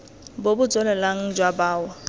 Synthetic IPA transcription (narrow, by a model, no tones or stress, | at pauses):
bobʊt͡sʼɔlɛlaŋ̩d͡ʒwabaːwɔ